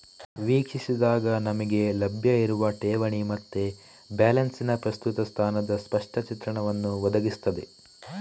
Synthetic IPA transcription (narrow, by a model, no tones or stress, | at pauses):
ʋiːkʂisid̪aːɡɐnɐmɐɡe̞lɐbʱjɐiɾuʋɐʈeːʋɐɳimɐt̪ːe | baːlɐnsinɐpɾɐst̪ut̪ɐst̪ʰaːnɐd̪ɐspɐʂʈʰɐt͡ʃit̪ɾɐɳɐʋɐnːuʋɐd̪ɐɡist̪ɐd̪e̞